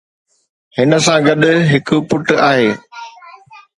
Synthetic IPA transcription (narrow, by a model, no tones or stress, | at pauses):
hɪnə̆sãɡɐɗɦɪkʊ̆pʊʈaːɦeː